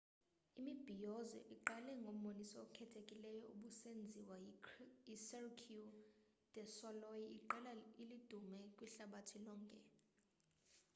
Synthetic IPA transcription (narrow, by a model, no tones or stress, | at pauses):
imib̥ʱijɔzɔ̰ʔiǃalɛŋɡʱom̩ɓonisɔːkʰɛtʰekʼilɛjɔuɓusend͡zʱiwa | isɛrkʰu | d̥ɛsɔlɔjiiǃɛlailid̥ʱumɛkʼwiɬaɓatʰilɔːŋkʼɛ